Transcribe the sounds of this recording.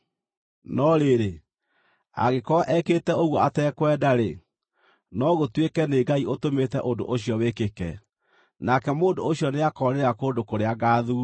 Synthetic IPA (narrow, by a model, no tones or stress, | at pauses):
nɔɾeɾe | a̰ɣekɔʔɛketɛoɣwɔatɛkwɛːdaɾe | nɔɣotwekɛneɡaiotometɛʔondo̰ʔoɕjɔwekekɛ | nakɛmoːndooɕjɔneakɔɾeɾeakoːndokoɾeaɡaːðu